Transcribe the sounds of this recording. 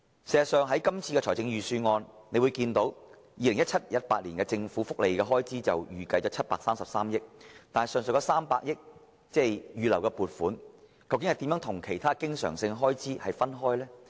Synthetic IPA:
se˨˩zɐ˨tsœː˨ŋɦɐ˨˥jkɐ˥mt͡sʰiː˧kɛː˧t͡ʃʰɔː˨˩jt͡sɪ˨˥ŋjyː˨syː˧ŋɔː˧nne˨˧wu˨˧jkiː˧nt̪o˨˥w | jiː˨˧lɪ˨˩ŋjɐ˥t̚t͡sʰɐ˥t̚jɐ˥t̚paː˧t̚liː˨˩nkɛː˧t͡sɪ˧ŋfuː˨˥fʊ˥k̚le˨˧jkɛː˧ɦɔː˥jt͡siː˥t͡sɐ̰˨wjyː˨˩kɐ˧jt͡st͡ʃɔː˨˥t͡sʰɐ˥t̚paː˧k̚saː˥msɐ˨p̚saː˥mjɪ˥k̚t̪aː˨n˨˩sœː˨˩ŋsɵ˨kɔː˧˥saː˥mpaː˧k̚jɪ˥k̚ | t͡sɛː˥˩jjyː˨lɐ˨˩wkɛ˧puː˨˩t̚fuː˨˥nkʰɐ˨˩wkɪ˦ŋhɐ˨jt̪i˨˥mjœː˨˥t̪ʰʊ˨˩ŋkʰe˨˩jt̪ʰaː˥kɪ˥ŋsœ̰ː˨˩ŋsɪ˧ŋɦɔː˥jt͡siː˥hɐ˨jfɐ˥nɦɔː˥jlɛː˥

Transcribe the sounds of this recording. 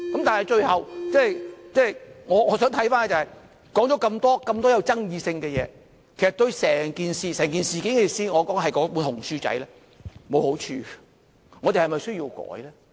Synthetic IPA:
kɐ˨˥mt̪aː˨nhɐ˨jt͡ʃɵ˧ɥhɐ˨wt͡sɛː˥˩˨jt͡sɛː˥˩jŋɔː˨˧ŋɔː˨˧sœː˨˥ŋt̪ʰɐ˨˥jfaː˥n˧˩t͡sɐ˨˩hɐ˨j | kɔː˨˥ŋt͡ʃɔ˨˥kɐ˧mt̪ɔː˥kɐ˧mt̪ɔː˥jɐ˨˧wt͡sɐ˥ŋjiː˨˧sɪ˧ŋkɛ˧jɛː˨˧ | kʰe˨˩sɐ˨t̪ɵ˧ɥsɛː˨˩ŋkiː˨nsiː˨sɛː˨˩ŋkiː˨nsiː˨kɪ˨˥ŋɛ˨˧siː˧ŋɔː˨˧kɔː˨˥ŋhɐ˨jkɔ˨˦˥pu˨˥nhʊ˨˩ŋsyː˧˥t͡sɐ̰˨˥jlɛː˥ | mo˨˧who˨˥wt͡ʃʰy̰ː˨ | ŋɔ˨˧t̪e˨˩hɐ˨jmɐ˨jsɵ˥ɥji˧wkɔ̰ː˨˥jlɛː˥

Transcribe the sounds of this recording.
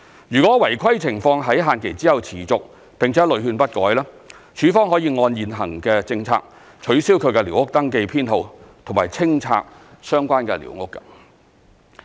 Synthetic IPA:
jyː˨˩kʷwɔː˨˥wɐ˨˩jkʰɐ˥jt͡sʰɪ˨˩ŋfɔː˧ŋɦɐ˨˥jɦaː˨˧nkʰe˨˩jt͡siː˨˥hɐ˨wt͡sʰiː˨˩t͡sʊ˨k̚ | pɪ˨ŋt͡sʰɛː˨˥lɵ˨˧ɥhyː˧npɐ˥t̚kɔː˨˥jlaː˥ | t͡ʃʰyː˨˥fɔː˥ŋɦɔː˨˥jiː˧ŋɔː˧njiː˨nɦɐ˨˩ŋkɛː˧t͡sɪ˧ŋt͡sʰa̰ː˧k̚ | t͡ʃʰɵ˨˥ɥsiː˥wkʰɵ˨˧kɛ˧li˨˩wŋʊ˥k̚t̪ɐ˥ŋke˧jpʰiː˥nho˧wt̪ʰʊ˨˩ŋmaː˨˩jt͡sʰɪ˥ŋt͡sʰa̰ː˧k̚ | sœː˥ŋkʷaː˥nkɛ̰˧lḭ˨˩wŋʊ˥kːɐ˧

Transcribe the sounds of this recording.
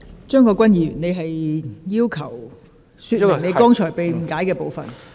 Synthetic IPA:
t͡ʃœː˥ŋkɔː˧kʷɐ˥njiː˨˧jy̰ː˨˩ne˨˧jɦɐ˨jjiː˥wkʰɐ˨˩w | syː˧t̚ne˨˧jkɔː˥ŋt͡ʃʰɔː˨˩jpe˨jm̩˨˩kaː˨˥jkɛː˧po˨wfɐ˨n

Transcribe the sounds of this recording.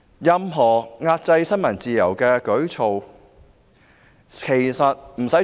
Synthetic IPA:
jɐ˨˧mɦɔː˨˩ŋaː˧t̚t͡sɐ˧jsɐ˥nmɐ˨˩nt͡siː˨jɐ˨˩wkɛː˧kɵ˨˥ɥt͡sʰo˨w | kʰe˨˩sɐ˨t̚m̩˨˩sɐ˨˥

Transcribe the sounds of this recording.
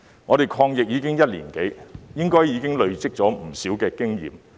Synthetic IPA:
ŋɔː˨˧ɾe˨jkʰɔː˧ŋjɪ˨k̚jiː˨˧kɪ˥ŋjɐ˥t̚liː˨˩nke˨˥jjɪ˥ŋkɔː˥jjiː˨˧kɪ˥ŋlɵ˨˧ɥt͡sɪ˥k̚t͡ʃɔː˨˥m̩˨˩siː˨˥wkɛː˧kɪ˥ŋjḭː˨˩m

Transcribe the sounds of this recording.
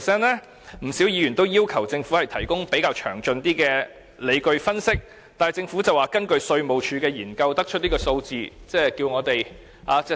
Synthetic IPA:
sɛː˥nlɛː˥ | m̩˨˩siː˨˥wjiː˨˧jyː˨˩nt̪o˥wjiː˥wkʰɐ˨˩wt͡sɪ˧ŋfuː˨˥hɐ˨jt̪ʰɐ˨˩jkʊ˥ŋpe˨˥jkaː˧wt͡ʃʰœː˨˩ŋt͡ʃɵ˧nt̪iː˥kɛː˧ | le˨˧jkɵ˧ɥfɐ˥nsɪ˥k̚ | t̪aː˨hɐ˨jt͡sɪ˧ŋfu˨˥t͡sɐ˨˩waː˨˩kɐ˥nkɵ˧ɥsɵ˧ɥmo˨˩wt͡ʃʰyː˨˧kɛː˧jiː˨˩nkɐ˧wt̪ɐ˥k̚t͡ʃʰt̚niː˥kɔː˧so˧wt͡siː˨˧t͡sɛː˥kiː˧wŋɔː˨˧t̪e˨j | ʔaː˧t͡sɛ˥

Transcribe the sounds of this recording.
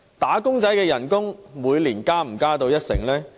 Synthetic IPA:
t̪aː˨˥kʊ˥ŋt͡sɐ˨˥jkɛː˧jɐ˨˩nkʊ˥ŋmuː˨˧jliː˨˩nkaː˥m̩˨˩kaː˥t̪o˧wjɐ˥t̚sɪ̰˨˩ŋlɛː˥

